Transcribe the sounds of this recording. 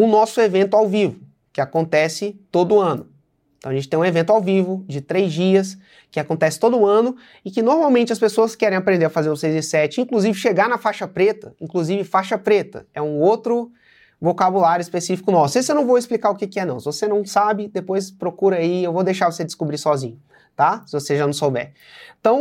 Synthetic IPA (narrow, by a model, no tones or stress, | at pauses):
ʊnɔsʊevẽnt̪ʊawvivʊ | kɪakõnt̪ɛsɪt̪od̪ʊɐ̃nʊ | ẽt̪ɐ̃w̃ɐʒẽt͡ʃɪt̪ẽj̃evẽnt̪ʊawvivʊd͡ʒɪt̪ɾejzd͡ʒiɐs | kɪakõnt̪ɛsɪ̥t̪od̪ʊːɐ̃nʊ | ɪkɪnoɾmawmẽnt͡ʃɪɐspesoɐskɛɾẽapɾẽnd̪eɾɐfazeɾʊsejzɪsɛt͡ʃɪĩŋkluzivɪʃeɡaɾnɐfaʃɐpɾet̪ɐĩŋkluzivɪfaʃɐpɾet̪ɐ̰ɛũowt̪ɾʊ | vokabulaɾjʊɪspesifi̥kʊnɔsejsewnɐ̃w̃vowɪsplikaɾʊkɪkɪɛnɐ̃w̃sɪvosenɐ̃w̃sabɪd̪epojspɾokuɾɐaiewvod̪ejʃaɾvosed͡ʒ̪ɪskubɾisɔzḭ̃ɲʊ | t̪asɪvoseʒanɐ̃w̃sowbɛ̰ɾ̃ | t̪ɐ̃w̃